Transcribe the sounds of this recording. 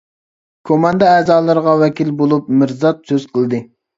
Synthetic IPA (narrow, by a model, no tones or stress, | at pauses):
kʰomɑnd̪ɑɛːzɑːlˠɨɾʁɑwɛkʲilbolˠup̚mɪɾzɑt̪̚søzqʰəlˠɨd̪ɨ